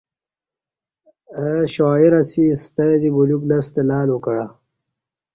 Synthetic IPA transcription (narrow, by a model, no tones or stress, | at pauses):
əʃaːiɾasist̪ajd̪ibuluɡlast̪elaːlukaɽa